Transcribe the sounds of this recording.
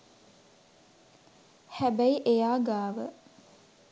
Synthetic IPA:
hæbæiʔejaːɡaːʋə

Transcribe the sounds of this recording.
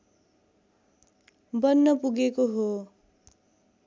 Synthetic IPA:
bʌnːʌpuɡekoɦo

